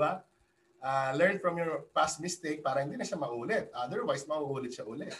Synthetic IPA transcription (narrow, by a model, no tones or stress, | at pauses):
ba | ʔaːlɛɹnfɹɐmjɔɹpasmɪst̪ek̚paːɾɐhɪnd̪iːnɐʃamɐʔuːlɛt̪̚ʔɐd̪ɛɹwajsmɐʔuʔuːlɪt̪̚ʃaʔuːlɛt̪̚